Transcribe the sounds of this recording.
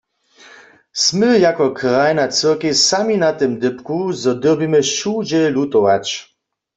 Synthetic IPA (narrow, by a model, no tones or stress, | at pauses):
smɨjakɔkʁajnat̪sɨʁkesaminat̪ɪmd̪ɪpkuzɔd̪əbimɘʃud͡ʑɛlut̪ɔwat͡ɕ